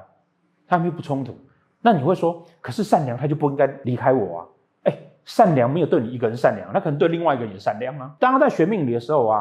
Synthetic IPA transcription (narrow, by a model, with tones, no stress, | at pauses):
t̪ʰa˥˧˥pu˥˩t͡sʰʊ˥ŋt̪ʰu̥˨˦ | na˥˩ni˨˩we˥˩ɪʂwɔ˥kʰɤ˨˩ʂɻ̩˥˧sa˥˩nljɑ˧˦ŋʰa˥t͡ɕjo˥˧ʊpu˥˧i˦˥ŋka˥ɪli˧˥kʰa˥ɪwɔ̰˨˩ɐ̰˦ | e˥˩ɪ | ʂa˥˩nljɑ˧˦ŋm˧˥jʊt̪wni˨i˧˥ɡə˧˩ɻə˧˦nʂa˥˩nljɑ̰˧˦ŋna˥kʰnə˧ŋt̪we˥˧li˥˧ŋwa˥˧i˧˥ɡə˧˩˨ɛ˨˩sa˥˧˨nljɑ˥˩ŋa˨t̪ɑ˥ŋa˥t͡sa˥˩ɪɕɥɛ˧˥mi˥˩ŋli˨˩d̪ə˦ʂɻ̩˧˦xo˥˩ʊɐ˨